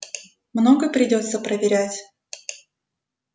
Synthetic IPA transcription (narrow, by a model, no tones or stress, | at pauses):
mnoɡəpɾʲɪdʲo̞t̪səpɾəvʲɪɾʲætʲ